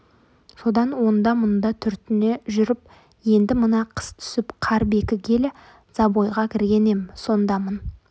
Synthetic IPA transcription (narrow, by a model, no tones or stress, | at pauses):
so̞d̪ɑnwo̞nd̪ɑmʊnd̪ɑt̪ʰʏɾt̪ɪne̞ʒʏɾɪp̚ | je̞nd̪ɪmənɑqʰə̥st̪ʰʏ̥sɪpqʰɑɾbe̞kʲɪkʲʰe̞lɪ | z̥ɑbojʁɑkʲʰɪɾɡʲe̞ne̞mso̞nd̪ɑmən